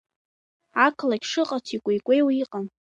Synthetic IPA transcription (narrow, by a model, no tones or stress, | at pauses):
akʰlakʲʂɨqʼatʰikʷʼejkʷʼejwiqʼan